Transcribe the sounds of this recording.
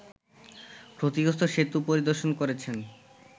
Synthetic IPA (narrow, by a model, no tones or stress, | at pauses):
kɾot̪iɡost̪ʰoʃet̪upoɾid̪oɾʃonkoɾet͡ɕʰen